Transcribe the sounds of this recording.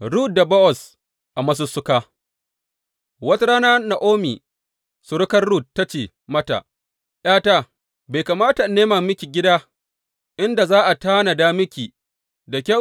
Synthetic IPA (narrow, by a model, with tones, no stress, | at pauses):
ɽuː˦t̚da˨bɔ˦ʔɔ˨s | ʔa˨mɐ˦s̬ʊ˦sʊ˦kaː˦ | wɐ˦ta˦ɾaː˦naː˦na˨ʔoː˦miː˨ | sʊ˨ɽʊ˦kɐ˦rɽuː˦t̚ːa˦t͡ʃeː˨ | mɐ˦ta̰˨ | j̰aː˦ta˦ | ba˨jkaː˨maː˦ta˨neː˦ma˨mɪ˦kʲi˨ɡʲɪ˦daː˦ | ʔɪ˦nda˨zaː˦ʔa˨taː˦na˨daː˦mɪ˦kʲiː˨ | da˨kʲɐ˦